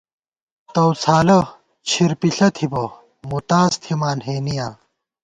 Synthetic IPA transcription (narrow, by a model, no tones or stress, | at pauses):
t̪ɐwt͡sʰaːlɐ | t͡ɕʰiɾpiɬɐt̪ʰibɐ | mut̪aːst̪ʰimaːnɦeːnijaː